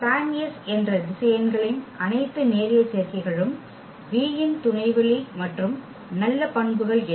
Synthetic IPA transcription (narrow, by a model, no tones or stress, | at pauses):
pɾaːmɪjɐsɛndrɐʋɪsɐjɐnɡɐɭɪnʔɐnɐɪt̪ːɯneːɾɪjɐt͡ʃːeːɾkɪɣɐɭɯm | ʋiːjɪnt̪ʊɳɐɪʋɐɭɐmɐʈrɯm | nɐlːɐpɐɳbɯɣɐɭɛ